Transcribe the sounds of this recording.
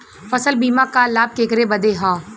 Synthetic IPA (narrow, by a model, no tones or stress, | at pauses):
fɐsəlbiːmãkalaːb̚keːkɾebɐd̪eɦãː